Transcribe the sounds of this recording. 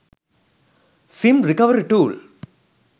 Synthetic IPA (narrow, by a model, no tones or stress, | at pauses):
sɪmɾɪkɐʋɐɾiʈuːl